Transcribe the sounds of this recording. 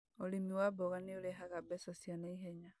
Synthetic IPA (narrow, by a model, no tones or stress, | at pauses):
olimiwaboɣanioleɦaɣabesosjanaiɦeɲa